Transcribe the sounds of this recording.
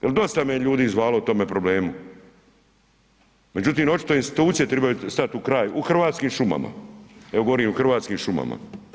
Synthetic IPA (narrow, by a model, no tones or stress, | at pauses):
jeld̪o̞st̪amejeʎuːd̪iːzʋaːlout̪o̞me̞pɾobleːmu | me̞d͡ʑut̪iːmo̞t͡ʃi̥t̪oinst̪i̥t̪uːt̪sije̞t̪ɾebajust̪at̪ukɾaːjuxr̩ʋaːt̪skiːmʃuma̰ma̰eʋoɡo̞ʋoɾiːmuxr̩ʋaːt̪skiːmʃuma̰ma̰